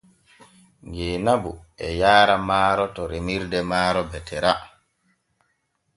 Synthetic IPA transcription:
ŋɡeːnabṵʔɛ̰jaːɾamaːɾɔtɔɾemiɾdɛmaːɾɔbɛtʰɛɾa

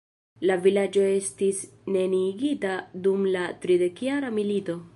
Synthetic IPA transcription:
lavilad͡ʒo̞e̞stisne̞niɡitadumlatɾide̞kjaɾamilito̞

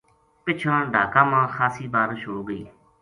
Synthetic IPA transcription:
pɪt͡ʃʰãːɖʱaːkãːmãːxʰaːsiːbaːɾʃʊɽoːɡəiː

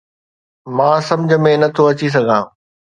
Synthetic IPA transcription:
mãːsɐ̃md͡ʑʱə̆mẽnɐt̪ʰoɐt͡ɕis̬ɐɡʱãː

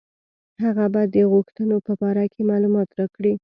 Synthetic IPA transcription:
haɣabɑjd̪ːəɣuxt̪ənopəbɑɾakʰemɑlumɑt̪ɾakɽi

